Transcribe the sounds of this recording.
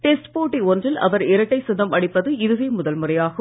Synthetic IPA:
ʈɛsʈpoːʈːiɔndrɪlʔɐ̰ʋɐɾɪɾɐʈːɐɪsʊðɐmɐɽɪpːɐðɯɪðɯʋeːmʊðɐlmɯrɐjaːɣɐ

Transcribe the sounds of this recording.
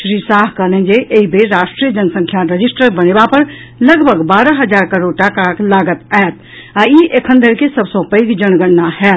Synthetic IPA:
ʃɾiːsaːɦkəlẽnd͡ʒeʔeɦibʱeɾaːʃʈɾijəd͡ʒənsə̃ŋkʰjaɾəd͡ʒisʈəɾbənebapəɾ | ləɡbʱəɡbaːɾəɦəd͡ʒaːɾkəɾoɽʈakaklaːɡət̪aet̪ | aiʔekʰənd̪əɾkesəbsə̃pəikd͡ʒənɡəɽːahɛːt̪̚

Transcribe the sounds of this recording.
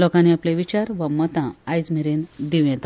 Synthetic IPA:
lɔkãniaplẽʋit͡ɕaɾʋamət̪ãːjd͡zm̤iɾind̪iw̃jɛ̃t̪

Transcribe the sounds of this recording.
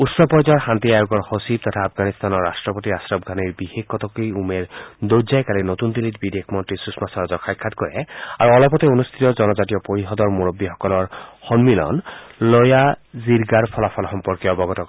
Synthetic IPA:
ut̪sɔpɔɹzɔɹxant̪iajoɡɔɹxosib̚t̪ɔt̪ʰaːpʰɡanist̪anɔɹːastɹɔpot̪iastɹɔb̚ɡʱaniɹbihekʰːɔt̪ɔkijumeɹd̪ozajkalinot̪und̪ilit̪bid̪ekʰmɔntɹisusmasɔɹazɔkʰajkʰːat̪kɔɹɛ̰aɹuɔlɔpɔt̪ɛonust̪ʰit̪ɔzɔnɔzatijɔpoɹiɦɔd̪ɔɹmoɹobːixɔkɔlɔɹxɔnmilɔ̰nlɔjaziɹɡaɹpʰɔlapʰɔlxɔmpɔɹkiɔbɔɡɔt̪ɔ

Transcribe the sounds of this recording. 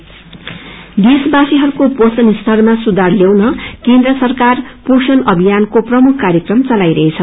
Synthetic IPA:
d̪esbasiɦʌɾukoposʌnist̪ʰʌrmasud̪arljewnʌkend̪rʌsʌrkarposʌnʌbʱijankoprʌmukʰkaɾjʌkrʌmt͡sʌlajɾʌɦet͡sʰʌ

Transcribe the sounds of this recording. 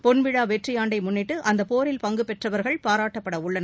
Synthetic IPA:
pɔnʋɪɻaːʋɛʈrɪjaːɳɖɐɪmʊnːɪʈːɯʔɐnd̪ɐpoːɾɪlpɐŋɡɯpɛʈrɐʋɐɾɣɐɭpaːɾaːʈːɐpːɐɽɐʊɭːɐnɐ

